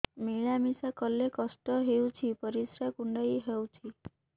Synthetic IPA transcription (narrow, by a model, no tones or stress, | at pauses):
miɭamisakɔlːekɔsʈɔɦewt͡ʃʰipɔɾisɾakuɳɖajɦewt͡ʃʰi